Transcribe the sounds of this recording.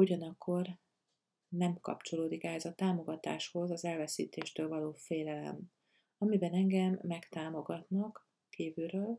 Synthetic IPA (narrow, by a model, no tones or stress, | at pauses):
uɟɒnɒkʰːo̞r | nɛmkɒ̰pt͡ʃo̞loːd̪ikɛɦɛzɒt̪aːmo̞ɡɒt̪a̰ːʃho̞zɒzɛlvɛsḭːt̪eːʃt̪øːlvɒloːfeːlɛlɛ̰m | ɒmibɛnɛŋɡɛmːɛkt̪aːmo̞ɡɒt̪nɒk | kiːvyɾøːl